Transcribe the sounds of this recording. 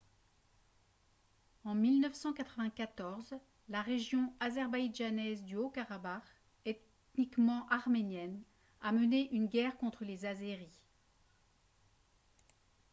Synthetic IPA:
ɑ̃milnœfsɑ̃kat̪χəvɛ̃kat̪ɔʁz | laʁeʒjɔ̃azɛʁbajʒanɛzd̪yokaʁabaʁ | ɛt̪ | nikmɑ̃ʔaʁmenjɛn | aməneʔynɡʲɛʁkɔ̃t̪χəlezazeʁi

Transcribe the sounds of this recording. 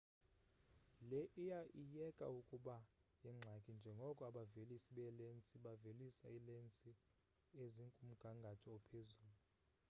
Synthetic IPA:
lɛʔijaʔijɛkʼa̰ukʼuɓajɛŋ͡ǁʱakʼind͡ʒʱɛŋɡʱɔkʼɔaɓavelisiɓɛlent͡sʼiɓavelisa̰ilent͡sʼi | eziŋkʼum̩ɡ̥ʱaŋɡʱatʰɔɔpʰezuːlu

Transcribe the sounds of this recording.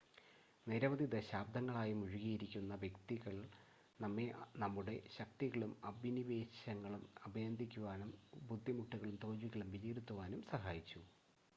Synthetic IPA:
neɾɐʋɐðid̪ɐɕaːb̚d̪ʱɐŋːɐɭaːjimuɻuɣijiɾikʲːunːɐʋjekt̪iɣɐɭ | nɐmːenɐmːuɽe̞ɕɐk̚t̪iɣɐɭumɐbʱiniʋe̞ːɕɐŋːɐɭumɐbʱɐjɐnd̪ʱikʲːuʋaːnumbud̪ʱːimuʈːuɣɐɭumt̪oːd͡ʑʋiɣɐɭumʋiliːɾut̪ːuʋaːnumsɐɦaːjit͡ɕːu

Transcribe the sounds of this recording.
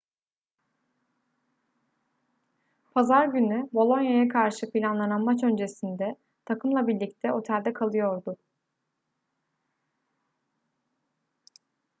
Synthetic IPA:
pʰazaɾɟynybo̞lˠo̞njajakʰaɾʃɯpʰilʲanlˠananmat͡ʃø̞nd͡ʒe̞sind̪ɛ | t̪ʰakʰɯmlˠabilʲic̚t̪ʰɛo̞t̪ʰælʲd̪ɛkʰalˠɯjo̞ɾd̪ʊ

